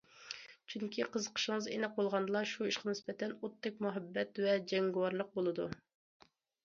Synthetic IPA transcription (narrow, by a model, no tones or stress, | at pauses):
t͡ʃʰyŋkʲʰiqʰəzəqʰə̥ʃɪŋəzḛnɛq̚bolˠʁɑnd̪ɨlˠɑʃuiʃqɑnɪspɛt̪ʰɛnut̪ʰːɪk̚ʲmuɦɛbːɛt̪vɛd͡ʒɛŋɡɪwɑɾlˠəq̚bolˠɨd̪u